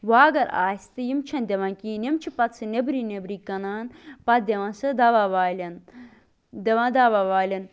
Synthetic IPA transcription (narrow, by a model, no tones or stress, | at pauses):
waːɡɐɾa̰ːsʲt̪ɨjimt͡ʃʰɐ̃nd̪ʲeʋɐ̃nkiːnɐmt͡ʃʰipɐt̪sʰɨnebɾinebɾikɐnaːnpɐt̪̚d̪ʲeʋɐ̃nsɨd̪ɐʋaʋaːlʲɐn | d̪eʋãnd̪aʋaʋaːlʲɐn